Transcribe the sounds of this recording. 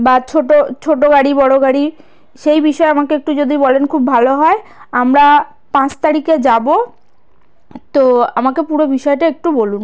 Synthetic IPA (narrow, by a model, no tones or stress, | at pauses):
bat͡ɕʰoʈot͡ɕʰoʈoɡaɽibɔɽoɡaɽi | ʃejbiʃɔeamakeek̚ʈud͡ʑod̪ʱibolenkʰubːʱaloɦɔeamɾa | pãt͡ɕt̪aɾiked͡ʑabo | t̪oamakepuɾobiʃɔeʈaek̚ʈubolun